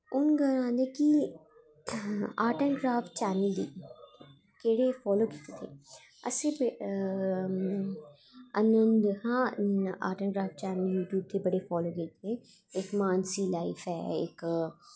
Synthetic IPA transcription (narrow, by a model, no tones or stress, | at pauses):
ʊnɡəlãːnd̪eːkɪ | aːɾʈənɡɾaːfʈt͡ʃɛːnəld̪ḭː | keːɽeːpʰɔːloːki̥t̪et̪ʰḛː | ə̰sẽːb | ənəmd̪hãːa̰ːɾʈənɡɾaːfʈt͡ʃɛːnəljuːʈjuːb̚t̪ʰeːbəɽeːfʰɔːloːkiːt̪ẽː | ɪkmaːnsiːlaːɪfʰɛːɪ̰k